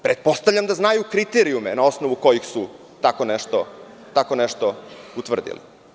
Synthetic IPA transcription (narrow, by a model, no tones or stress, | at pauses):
pɾet̪̚po̞st̪avʎʲamd̪aznajukɾit̪eɾiumenao̞snoʋuko̞jixsu | t̪akoneʃt̪o | t̪ako̞nɛʃt̪out̪ʋr̩d̪ḭlḭ